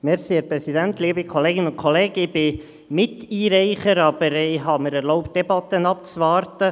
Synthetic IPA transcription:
mɛɾsiɛɾpɾɛsid̪ænt̪liːbikʰɔleːɡɪnənʊnkʰoleːɡ̥əɪb̥ɪ | mɪtiːɾɛɪχəɾɑb̥əɾɪɦɑməɾɛɾloʊpt̚d̥ɛbɑt̪ːənɑp̚t͡sʋɑːrtə

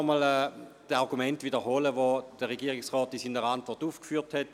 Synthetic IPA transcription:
mɔlɛːd̥əɑʁɡumɛntʋidəɦoləʋod̥əʁeɡiəʁiksʁɔːtisinəʁəantvɔʁtuːfkfyːthɛt

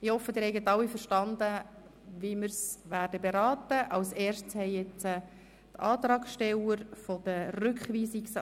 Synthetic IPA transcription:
ɪhɔfːəd̥̪ɪːɾhɛɪɡətɑwːifəɾʃtɑndə | ʋimərsʋæːrdəbeɾɑːt̪əʔɑʊsɛːrʃtshɛɪjɛt͡sə | tʰɑːt̪ɾɑːkʃtɛləɾfɔd̥ərʏkχʋiːsiks

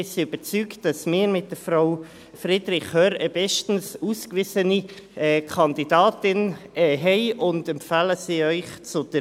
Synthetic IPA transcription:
ɪsiybət͡syːktd̥ɑsmɪːɾmɪt̚d̥əfɾaʊ | fɾɪd̥ɾɪχhœɾəbɛʃtn̩suːskvɪzəniɛːkʰɑndidɑːtɪnɛɦɛɪʊndɛmpfaːləsiːœʏχt͡sʊd̥ə

